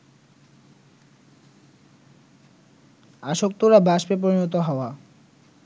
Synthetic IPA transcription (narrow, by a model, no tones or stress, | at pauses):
aʃok̚t̪uɾabaʃpep̬oɾinot̪̬oɦɔoa